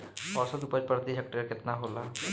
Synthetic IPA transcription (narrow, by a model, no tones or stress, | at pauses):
pɔɾsət̪upəɾpəɾt̪iɦɛk̚ʈɾeɾkɪt̪naɦoːla